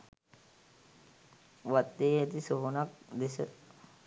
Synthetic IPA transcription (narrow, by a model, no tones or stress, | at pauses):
ʋat̪ːeːɦɛt̪isoɦonak̚d̪esə